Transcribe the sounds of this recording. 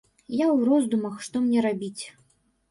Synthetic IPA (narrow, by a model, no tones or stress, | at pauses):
jawrɔzd̪umɐxʂt̪ɔmnʲɛɾabʲit͡sʲ